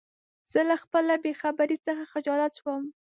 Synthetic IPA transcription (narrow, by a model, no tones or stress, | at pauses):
z̥əlaxpəlabexabaɾit͡səxaxɪd͡ʒɑlat̪ʃwəm